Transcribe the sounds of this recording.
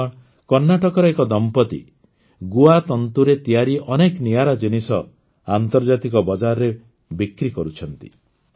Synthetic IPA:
kɔɾnaʈɔkɔɾɔekɔd̪ɔmpɔt̪ḭ | ɡuat̪ɔnt̪uɾet̪ijaɾiʔɔnekniaɾad͡ʒinisɔ | ant̪ɔɾd͡ʒat̪ikɔbɔd͡ʒaɾɔɾe | bikɾikɔɾut͡ʃʰɔnt̪ḭ

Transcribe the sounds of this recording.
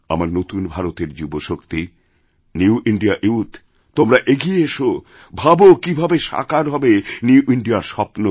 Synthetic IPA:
a̰maɾnot̪unbʱaɾot̪eɾd͡ʑuboʃokt̪i | niuʔiɳɖiaʔiut̪ | t̪omɾaʔeɡieeʃo | bʱabokibʱabeʃa̰kaɾɦɔbeniuʔiɳɖiaɾʃɔpno

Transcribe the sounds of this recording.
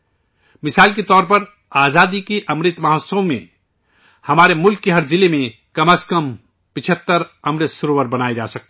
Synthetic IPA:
mɪsaːlket̪ɔːɾpəɾ | aːzaːd̪ikeʔɐmɾɪt̪mɐɦot̪səmḛ̃ | hɐmaːɾemʊlkːeɦɐɾzɪlemẽ | kɐməskəm | pɪt͡ʃʰət̪ːəɾɐmɾɪt̪sʊɾoːwəɾbɐnaːed͡ʒa̰ːsək̚t̪

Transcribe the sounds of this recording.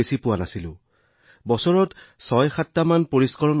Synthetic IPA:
esipʊwanasilʊ̰̃ | bɔsɔɹɔtsɔjxatːamanpoɹiskɔɹɔn

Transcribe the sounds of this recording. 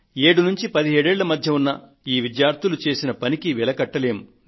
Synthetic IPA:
e̞ːɽunuɲt͡ʃipɐd̪iɦeːɽeːɭːɐmɐd̪ʱjɐunːɐ | iːʋidjaːɾt̪ulut͡ʃe̞ːsinɐpɐnikiʋilɐkɐʈːɐlejɐm

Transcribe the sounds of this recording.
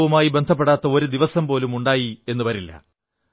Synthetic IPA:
ʋumaːjibe̞nd̪ʱɐpːeɽaːt̪ːɐo̞ɾud̪iʋɐsɐmpo̞ːlumuɳɖaːjie̞nːupɐɾilːɐ̰

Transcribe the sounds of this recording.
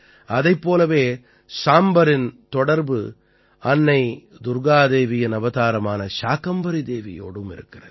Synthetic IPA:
ɐðɐɪpːoːlɐʋeː | saːmbɐɾɪnt̪ɔɽɐɾbɯ̰ | ɐnːɐɪ | d̪ʊɾɡaːðeːʋɪjɐnɐʋɐðaːɾɐmaːnɐʃaːkɐmbɐɾid̪eːʋɪ̰jo̰ːɽɯmɪ̰ɾɯ̰kːɪrɐðɯ

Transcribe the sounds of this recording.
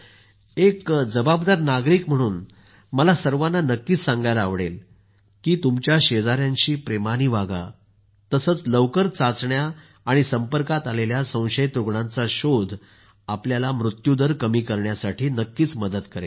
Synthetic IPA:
ekd͡zəbabd̪aɾnaɡɾiːkm̤əɽ̃uːn | məlasəɾʋanːanəkːiːt͡ssãŋɡajlaːʋɽel | kiːt̪umt͡ɕjaɕed͡zaɾjãɲt͡ɕiːpɾemañiːʋaɡa̰ | t̪əsət͡sləʋkəɾt͡sat͡sɳjaː | ɽ̃isəmpəɾkat̪aleljasə̃w̃ɕəjt̪ɾuɡɳãnt͡saɕod̪ʱ | apljalamɾut̪jud̪əɾkəmiːkəɾɳjasaʈʰiːnəkːiːt͡sməd̪ət̪kəɾḛ

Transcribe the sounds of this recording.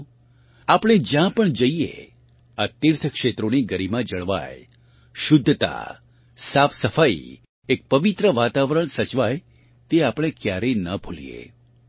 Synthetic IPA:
apɽ̃ed͡ʒjãpəɳd͡ʒəijḛ | at̪iɾt̪ʰəkʃet̪ɾoniɡəɾimãd͡ʒəɭʋa̰j | ʃʊd̪ʱːt̪a̰ | sapʰsəfaḭ | ek̚pəʋit̪ɾəʋat̪aʋɾəɳsət͡ʃʋaj | t̪eapɽ̃ekjaɾenəbʱulḭḛ

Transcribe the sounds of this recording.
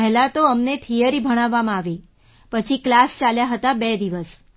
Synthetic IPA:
əɦɛlat̪oəmnet̪ʰijəɾibʱəɽ̃aʋːamãaʋi | pət͡ʃʰiklast͡ʃaljaɦət̪abɛd̪iʋəs

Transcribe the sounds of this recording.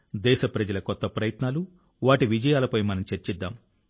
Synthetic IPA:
d̪ɛːʃɐpɾɐd͡ʒɐlɐkɔt̪ːɐpɾɐjɐt̪naːlu | ʋaːʈiʋid͡ʒɐjaːlɐpɐjmɐnɐmt͡ʃeɾt͡ʃɛd̪ːaːm

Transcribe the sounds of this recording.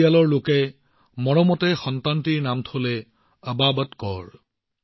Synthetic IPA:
alɔɹlokɛ | mɔɹɔmɔtɛxɔntantiɹnamtʰolɛ | əbabɔtkɔ̰ɹ

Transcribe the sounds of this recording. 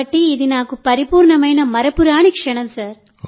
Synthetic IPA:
ɐʈːiːðinaːkɯpɐɾipuːɾɳɐmɐjnɐmɐɾɐpɯɾaːɳikʂɐɳɐmsaːɾ

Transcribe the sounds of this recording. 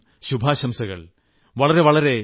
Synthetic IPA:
ɕubʱaːɕɐmsɐɣɐ̰ɭ | ʋɐɭɐɾe̞ʋɐɭɐɾe̞

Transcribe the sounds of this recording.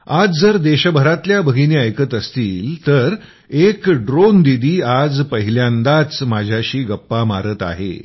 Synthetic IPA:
ad͡zd͡zəɾd̪eɕəbʱəɾat̪ljabəɡiniːəjkət̪əst̪iːlt̪əɾ | ekɖɾond̪id̪iːad͡zpəɦiljãnd̪at͡smad͡ʑʱjaɕiːɡəpːamaɾət̪a̰ɦḛ

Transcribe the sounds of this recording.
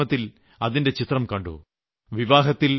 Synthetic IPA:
ɐt̪ːil | ɐðinde̞t͡ɕit̪rɐmkɐɳɖṵ | ʋiʋaːɦɐt̪ːil

